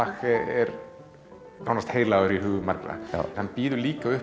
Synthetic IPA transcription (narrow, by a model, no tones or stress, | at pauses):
axɛɛɾ | nawnast̪heːjɾlaːɣʏɾiɦʏːɣʏma̰ɾkɾa̰nhanpiːðʏɾliːkaʏh